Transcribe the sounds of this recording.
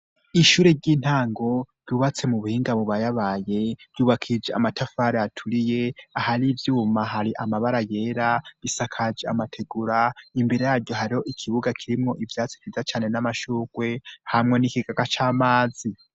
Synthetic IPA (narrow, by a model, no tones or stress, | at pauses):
iʃuːɾeɾɟiːn̥haːŋɡo̞ɾjuːβat͡se̞muβuhiːŋɡaβoβajaβaje̞vjuːβakʰid͡ʒea̰matafaɾeatʰuɾije̞ahaɾivjuːmaɦaɾiʔamaβaɾaje̞ːɾaβisakʰad͡ʒea̰matʰe̞ɡuɾaimbiɾejaːɾɟjo̞haɾiho̞ʔikʰiβuɡakʰiɾimŋo̞ʔivjaːt͡si̥vizat͡ʃaːne̞namaʃuːɡ̥we̞hamŋe̞nikiɡaɡat͡ʃaːmaːd͡zi